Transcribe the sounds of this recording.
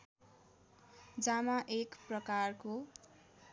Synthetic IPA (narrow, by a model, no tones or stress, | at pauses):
d͡zamaʔekprʌkarko